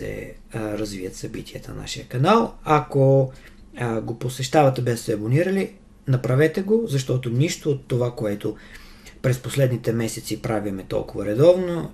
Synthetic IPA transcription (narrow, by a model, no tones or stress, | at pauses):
ɛ̰ | ɾɐzviət̪sɐbit̪ʰiət̪ə̰na̰ʃijəkɐnalˠako | ɡoposɛʃt̪avɐt̪ɛbɛst̪ɛɐboniɾɐli | nɐpɾɐvɛt̪ɛɡozɐʃt̪ɔt̪onʲiʃt̪oːt̪ːovakoɛt̪o | pɾɛsposlɛd̪nit̪ɛmɛsɛt̪sipɾavimɛt̪ɔ̰lˠkʊvɐɾɛd̪ɔvno